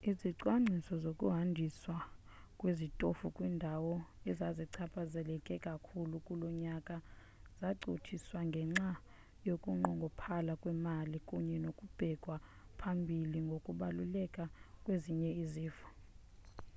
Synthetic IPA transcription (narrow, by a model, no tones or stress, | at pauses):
iziǀwaŋ͡ǀʱisɔzokʼṵɦandʱiswa | kʼwezitʼofukʼwiːndʱawɔɛzaziǀʰapʰʼazɛlɛkʼɛkʼakʰulukʼulɔɲakʼa | z̥aǃʱotʰiswaŋɡʱɛŋ͡ǁa | jokʼuŋ͡ǃɔŋɡʱɔpʰalakʼwɛmalikʼuɲɛnokʼub̥ʱɛɡ̥ʱwapʰambʱiliŋɡʱokʼuɓalulɛkʼakʼweziɲɛiziːfḁ